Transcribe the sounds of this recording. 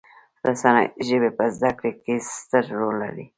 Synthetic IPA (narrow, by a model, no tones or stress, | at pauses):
ɾasana̰jʒəbepəzd̪akɽekest̪əɾːolːa̰ɾi